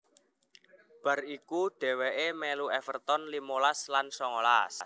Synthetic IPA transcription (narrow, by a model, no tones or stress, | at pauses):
b̥ä̤rikuɖ̥ɛ̤weʔemɛluɛfərt̪ɔnlimolaslansɔŋɔla̰s